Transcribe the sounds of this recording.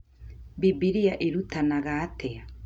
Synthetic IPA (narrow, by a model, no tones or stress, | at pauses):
bibiɾiaʔeɾutanaɣaːtɛa